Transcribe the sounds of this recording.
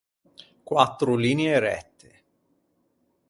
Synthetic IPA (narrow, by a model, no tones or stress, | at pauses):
kwat̪ːɾʊliːneeɾɛ̰t̪ːe̥